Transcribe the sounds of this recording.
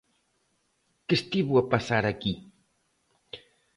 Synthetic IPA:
kest̪iβuapasaɾaki

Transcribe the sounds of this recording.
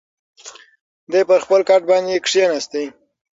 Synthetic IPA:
d̪epəɾxpəlkaʈ̚bɑnd̪ekʂijenast̪ej

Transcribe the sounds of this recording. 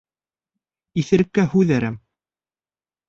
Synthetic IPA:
iθɘ̆ɾɘ̆kːæhʉðæɾæm

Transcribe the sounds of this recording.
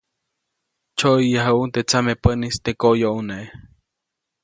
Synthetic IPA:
t͡ʃojjəɦaunt̪et͡samepənist̪ekojoʔuneʔe

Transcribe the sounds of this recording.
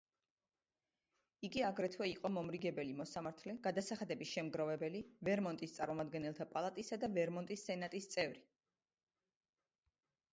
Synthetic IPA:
iɡiaɡɾɛt̪ʰvwɛiqʼɔmɔmɾiɡɛbɛlimɔsamaɾt̪ʰlɛɡad̪asaχad̪ɛbisʃɛmɡɾɔvɛbɛlivɛɾmɔnt̪ʼist̪sʼaɾmɔmad̪ɡɛnɛlˠt̪ʰapʼalˠat̪ʼisad̪avɛɾmɔnt̪ʼisːɛnat̪ʼist̪sʼɛvɾi

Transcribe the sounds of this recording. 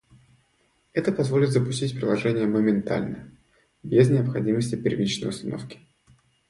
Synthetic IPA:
ɛt̪əpɐzvo̞lʲɪt̪zəpʊ̥sʲtʲitʲpɾʲɪlˠɐʐɛnʲɪjəməmʲɪnt̪a̰lʲnə̰ | bʲeznʲɪəpxɐdʲiməsʲtʲɪpʲɪrvʲit͡ɕnəjʊst̪ɐno̞̰fkʲɪ̥

